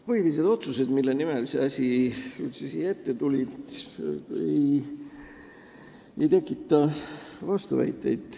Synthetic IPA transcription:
pɤjlise̞d̪̥o̞t̪suse̞d̪milːenimelse̞ɑsʲiylt̪sesiːjet̪ːe̞t̪ulʲid̪ | ej | ejt̪e̞kːˑit̪ːˑɑvɑst̪uvæ̰jt̪ːˑe̞̰jd̪̥

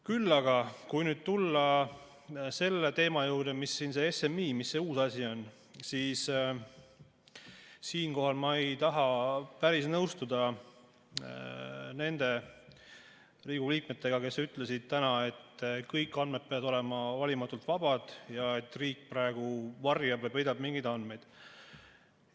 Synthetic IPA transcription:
kylːɑɡɑkujnyːd̪̚t̪ulːɑ | se̞lːet̪e̞ːmɑjuwɾd̪̥emisːinse̞ese̞mːiːmisːe̞uːsɑsʲio̞n | siːs | siːnko̞ɦɑlmɑe̞jt̪ɑɦɑpæɾisnɤwst̪ud̪̥ɑ | ne̞nd̪̥e̞ | riːɡ̥uliːk̚me̞t̪ːˑe̞ɡ̥ɑke̞syt̪ˑle̞sid̪̥̚t̪ænɑe̞t̪ːkɤjkːˑɑnmed̪̚pe̞ɑd̪o̞lɛmɑvɑlʲimɑt̪ːˑult̪vɑbɑd̪̥jɑe̞t̪ːriːk̚ːprɑe̞ɡ̥uvɑrjɑbvɤjpɤjd̪ɑbmiŋɡid̪̥ɑnd̪me̞jd̪̥

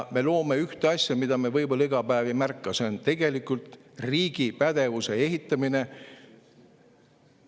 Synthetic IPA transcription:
me̞lo̞ːme̞yht̪eɑsʲjɑmid̪̥ɑmevɤjmeleɡ̥ɑpæːvimærkːɑseont̪e̞ɡ̥e̞likult̪riːɡ̥ipæd̪̥e̞vuse̞e̞ɦit̪ːˑɑmine̞

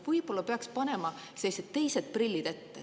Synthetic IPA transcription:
vɤjb̥o̞lːɑpeɑkspɑne̞mɑ | selːiset̪tːe̞jse̞d̪̥̚prilʲːid̪̥e̞t̪ːe

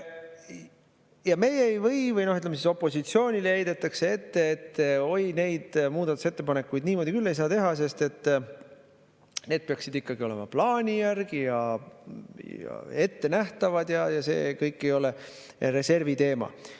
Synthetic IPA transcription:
jɑme̞jeejvɤ̞jvɯjnoyt̪ːlemesiːso̞pːˑo̞sit̪sio̞ːnʲileejd̪e̞t̪ːˑɑkse̞e̞t̪ːe̞ːt̪ːeo̞jne̞jd̪̥muːd̪ɑt̪u̥se̞t̪ːepɑne̞kːujd̪niːmo̞d̪ʲikylːe̞jsɑːt̪e̞ɦɑs̬e̞st̪e̞t̪ː | ne̞ːd̪̥̚peɑksid̪ikːɑɡio̞le̞̰mɑplɑːnʲijærɡ̥ijɑ | jɑ̰e̞t̪ːe̞næht̪ɑvɑd̪̥jɑjɑse̞̰ːkɤjkˑːe̞jo̞le̞ | ɾe̞se̞rvit̪e̞ːmɑ̰

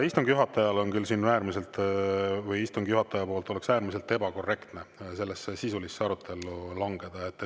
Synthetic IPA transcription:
ist̪uŋɡ̥juɦɑt̪ːˑɑjɑlo̞nkylsinæːɾmise̞lt̪ˑvɯjist̪uŋɡ̥juɦɑt̪ːˑɑjɑpoːlt̪o̞le̞ksæːɾmiselt̪ːˑe̞bɑko̞re̞kt̪ne̞se̞lːesːesisulisːeɑɾut̪ʰːˑe̞lulɑŋɡe̞d̪̥ɑe̞t̪ːˑ

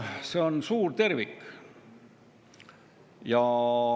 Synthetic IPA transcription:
se̞onsuːrt̪e̞rvik | jɑ

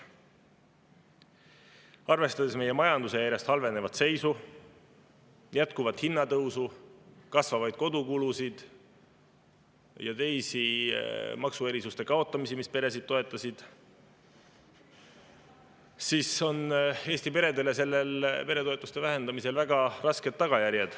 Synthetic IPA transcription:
ɑrve̞st̪ɑd̪̥e̞sme̞je̞mɑjɑnd̪use̞jæɾjɑst̪hɑlve̞ne̞vɑt̪se̞jsu | jæt̪̚kuvɑt̪hinːɑt̪ɤwsukɑsvɑvɑjd̪̚ko̞d̪ukulusid̪̥ | jɑt̪e̞jsi | mɑksue̞ɾisust̪e̞kɑo̞t̪ːˑɑmisimispe̞ɾe̞sid̪̚t̪ːo̞e̞t̪ˑːɑsid̪̥ | siːso̞ne̞ːsʲt̪ipe̞ɾe̞d̪e̞le̞se̞lːe̞lpe̞ɾe̞t̪o̞e̞t̪ːˑust̪e̞væɦe̞nd̪ɑmise̞lvæɡ̥ɑrɑske̞d̪̥̚ːɑɡ̥ɑjæɾjed̪̥

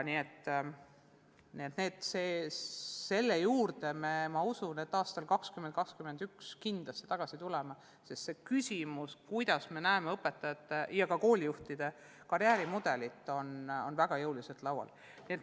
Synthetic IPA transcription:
nie̞t̪ː | niet̪ne̞ːd̪ˑseː | se̞lːe̞juːrd̪e̞memɑusune̞t̪ːˑɑːst̪ɑlkɑkskymenkɑkskymend̪̥ykskind̪̥lɑst̪ːe̥t̪ɑɡ̥ɑsit̪ulɛmɑ | sest̪se̞kysʲimuskujd̪̥ɑsme̞næeme̞ɤpːˑe̞t̪ːˑɑjɑt̪ːˑejɑkɑko̞ːlʲijuht̪id̪̥e̞ | kɑɾjæːɾimud̪̥e̞lit̪ːˑo̞nonvæɡ̥ɑjɤwliset̪lɑwɑ̰l | niet̪

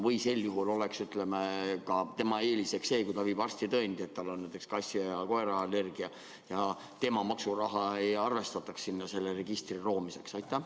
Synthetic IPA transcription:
vɯjse̞lːjuɦulo̞le̞ksyt̪le̞mekɑt̪e̞mɑe̞ːlise̞kse̞ːkujt̪ɑviːbɑrsʲt̪it̪ɤenʲd̪iet̪ːɑlːonːæjt̪ekskɑsʲːiɑjɑko̞eɾɑːlːe̞rɡ̥iɑ | jɑ | t̪e̞mɑmɑksurɑɦɑejɑrve̞st̪ɑt̪ːˑɑkssinːɑse̞lːere̞ɡ̥ist̪riro̞ːmise̞ksɑjt̪ːˑæ

